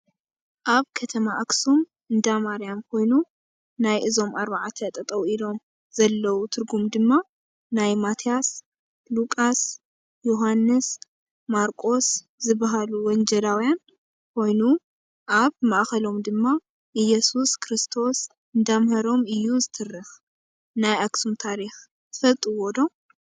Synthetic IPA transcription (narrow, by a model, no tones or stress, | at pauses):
ʔaβkʰɐt̪ʰɐmaʔaksum | ɨnd̪amaɾijamkʰo̞jnu | najʔɨzo̞mʔaɾbaʕat̪ʰɐt̪ʼɐt̪ʼɐwilo̞m | z̥ɐlːɐwut̪ʰɨɾɡumd̪ɨmːa | najmat̪ʰijas | lukʼas | jo̞ɦanːɨs | maɾkʼo̞s | zɨbaɦaluwɔnd͡ʒɐlawjan | kʰo̞jnu | ʔaβmaʔxɐlo̞md̪ɨmːa | ʔɨjɛsuskʰɾist̪ʰo̞s | ɨnd̪amhɐɾo̞mɨjːuzɨt̪ʰɨrːɨx | najʔaksumt̪ʰaɾixʰ | fɐlt̪ʼɨwod̪o̞